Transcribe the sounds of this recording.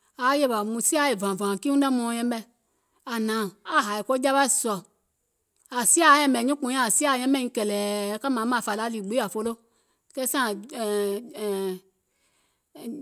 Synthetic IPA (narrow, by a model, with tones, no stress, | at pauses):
a˨˦je˦˨ba˨mũ˧si˦a˦˨e˨vã˨vã˨ki˦ũ˦ɛ˦mɔ̃˧˨jɛ̃˧˦ɛ˧ | a˨nã˨˦˨a˦˨ɦa˨i˨kɔ˦d͡ʒa˦ɓa˦i˦˨sɔ˨ | a˨si˦a˦˨˦jɛ̃˦ɓɛ˨ɲĩ˦k͡pũ˧˦ã˦˨si˦a˦˨jɛ̃˦mɛ̃˦ĩ˧˦kɛ˨lɛː˨˦ka˦mã˨˦mã˨fa˨la˨˦liː˨ɡ͡be˦a˨fo˧lo˦ | kɛ˦sã˦˨